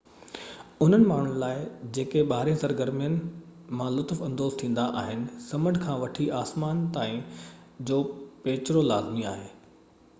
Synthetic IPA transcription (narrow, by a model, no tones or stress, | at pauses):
ʊn̤ənɪ̆maːɳ̤ʊnɪ̆laːɪd͡ʑeːkeɓaːɾẽsɐɾɡəɾmijənɪ̆mãlʊt̪əfɐ̃nd̪oːz̥t̪ʰĩːn̆d̪aʔaːɦɪnɪ̆sɐməɳɖkʰãːʋɐʈʰiaːsmaːnt̪aːĩ | d͡ʑoːpeːt͡ɕɾolaːzmiaːɦeː